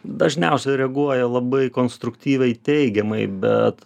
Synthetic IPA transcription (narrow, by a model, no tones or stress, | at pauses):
d̪ɐʒʲnʲɛʊsʲɛɪɾʲɛɡuɔjɛlˠɐbɐɪkoːnst̪ɾʊkt̪ʲiːʋʲɛɪt̪ʲɛɪɡʲɛmɐɪbʲɛ̰t̪